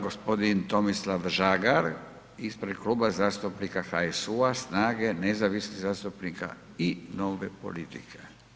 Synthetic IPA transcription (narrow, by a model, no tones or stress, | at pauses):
ɡo̞spo̞d̪int̪o̞mislaʋʒaɡaɾ | ispɾed̪kluːbazaːst̪upnikaxaesuasnaːɡe̞nezaʋisniɣzaːst̪upnika̰ | ino̞ːʋe̞po̰lit̪ikʰe̥